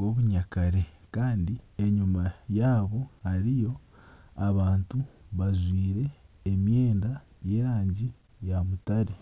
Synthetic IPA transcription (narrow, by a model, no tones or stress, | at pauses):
o̞ːβuɲakaɾe̞kaːndieɲumajaːβo̞haɾijo̞ | aβaːntuβazwiːɾe̞ːmje̞ːnda | je̞ːɾaːɲɟi | jamutaɾe